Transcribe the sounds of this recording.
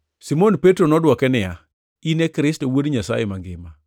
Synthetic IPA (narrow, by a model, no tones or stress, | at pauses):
simonpetɾonɔdwɔkɛnɪja | inekɾɪstowodɲasa̰jemaŋɡɪma